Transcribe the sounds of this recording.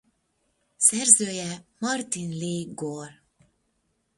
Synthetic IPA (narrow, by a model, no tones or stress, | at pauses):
sɛrzøːjɛmɒrt̪inleːɡor